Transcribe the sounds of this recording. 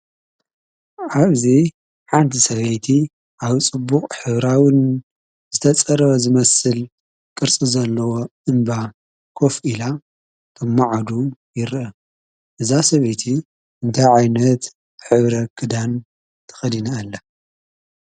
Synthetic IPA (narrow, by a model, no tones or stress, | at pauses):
ʕaβzi | ħant̪ʰisɐβejt̪ʰi | ʔaβt͡sʼɨbːukʼħɨβɾawn | z̥ɨt̪ʰɐt͡sʼɐɾɐβɐzɨmɐsɨl | kʼɨɾt͡sʼizɐlːɐwo̞ʔɨnba | kʰo̞fila | t̪ʰʼɨmːaʕad̪ujɪɾʔɐ | ʔɨzasɐβejt̪ʰi | ɨnt̪ʰajʕajnɐt̪ | ħɨβɾɐkʰɨd̪an | t̪ʰɐ̥xɐd̪inɐːlːɐ